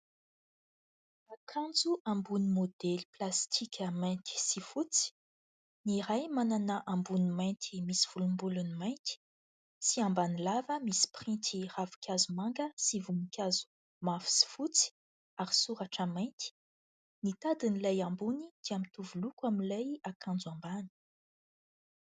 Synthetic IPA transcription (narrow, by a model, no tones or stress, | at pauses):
akʰãnd͡zuʔãmbunimod̪̥eliplast̪ʰikʲəmajnt̪i̥sifut͡si̥ | niɾajmananaʔãmbunimajnt̪ʰimisi̥v̥ulumbulunimajnt̪i̥ | siambanilavəmisi̥pχĩnt̪iravu̥kʲʰazumaŋɡəsivumikʲazu̥ | mafi̥si̥fut͡si̥ | aɾisuɾaʈ͡ʂəmajnt̪i̥ | nit̪ad̪inilajambunid̪̥iamit̪uvulukwamilajakʰãnd͡zuãmbani̥